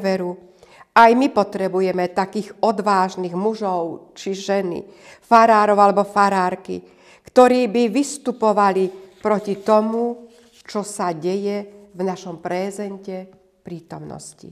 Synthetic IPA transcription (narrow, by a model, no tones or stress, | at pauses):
ʋɛɾuajmipɔt̪ɾɛbujɛmɛt̪akiːɣɔd̪ʋaːʒniːɣmuʒɔʊt͡ʃiʒɛnḭfaɾaːɾɔʊalɛbɔfaɾaːɾkḭ | kt̪ɔɾiːbiʋist̪upɔʋalipɾɔcit̪ɔmu | t͡ʃɔsaɟɛjɛvnaʃɔmpɾɛːzɛncɛ | pɾiːt̪ɔmnɔ̰scḭ